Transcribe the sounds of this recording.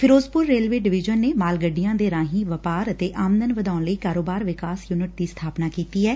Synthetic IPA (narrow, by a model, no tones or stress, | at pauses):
pʰɪɾoːzpʊɾːeːlʋeːɖɪʋɪd͡ʒənːeːmaːlɡəɖɪjãːd̪eːɾãːɦiːʋəpaːɾət̪eːʔaːmnənʋəd̪aːnləiːkaːɾoːbaːɾʋɪkaːsjuːnɪʈ̚d̪iːst̪ʰaːpnaːkiːt̪iːɛː